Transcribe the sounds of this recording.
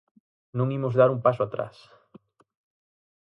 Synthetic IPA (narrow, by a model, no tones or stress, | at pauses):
nũŋimʊzðaɾumpasʊat̪ɾa̰s